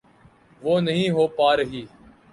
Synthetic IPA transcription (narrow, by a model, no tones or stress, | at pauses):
ʋoːnəɦĩːɦoːpaːɾəɦiː